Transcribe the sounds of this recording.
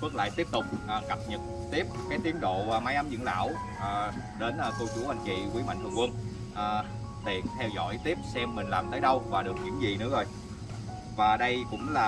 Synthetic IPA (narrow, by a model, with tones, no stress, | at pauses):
mɨ˦˥k̚la̰ː˧˨jt̪i˦˥əp̚t̪ʊ˨˩k͡p̚ʔːka˨˩p̚ɲə˨˩t̚ | t̪i˦˥əp̚kaː˨˦jt̪i˨˦ənɗo̰˧˨maː˨˦jʔa˨˦mzɨ̰˧˥ŋla̰ː˧˥w | ʔː | ɗe˨˦nʔku˧ku˧˩˦ha˨˩ŋ̟kḭ˧˨kwi˨˦ma̰˧˨jt̪ʰːŋkwə˧n | ʔː | t̪ʰi˨˩t̪ʰɛ˧wzɔ̰˧˥jt̪i˦˥əp̚sɛ˧mːï˨˩ŋ̟laː˨˩mt̪əː˨˦jɗə˧wvaː˨˩ɗɨ˨˩ək̚ɲɨ̰˧˥ŋzi˨˩nɨ̰˧˥əzo˧˩j | vaː˨˩ɗə˧jkʊ̰˧˥ŋ͡mlaː˨˩